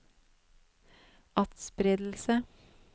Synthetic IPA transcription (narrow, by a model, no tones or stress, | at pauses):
ʔɑt̪spɾɪd̪l̩sə